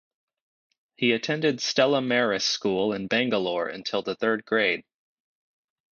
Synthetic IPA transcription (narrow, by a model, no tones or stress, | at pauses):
hiɨtʰɛ̃ndɨdstɛlˠəmɛɹɨskulˠə̃nbæ̃ŋɡəlɔɹɨ̰̃ntʰɪlˠðəθɜ˞d̚ɡɹeɪd̥̚